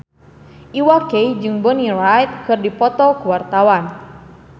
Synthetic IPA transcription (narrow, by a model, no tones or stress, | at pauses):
ʔiwakejd͡ʒɨŋbɔniɾajt̪̚kɨrdipɔt̪ɔkuwart̪awan